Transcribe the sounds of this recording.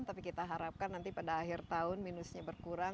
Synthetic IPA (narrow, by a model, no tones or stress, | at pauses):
t̪apikit̪aɦaɾap̚kanːant̪ipadaːɦɪrt̪aʊnminusɲabərkuɾa